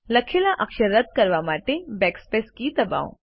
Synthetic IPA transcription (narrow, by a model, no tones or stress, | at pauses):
lɐkʰːelaʔɐkʃəɾːət̪̚kɐɾʋamaːʈ̪ebɛːkspeːskit̪ɐba̰ːõ̰